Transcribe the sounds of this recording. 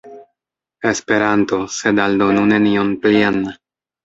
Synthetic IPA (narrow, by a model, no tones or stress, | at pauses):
e̞spe̞ɾanto̞se̞daldonunenionplian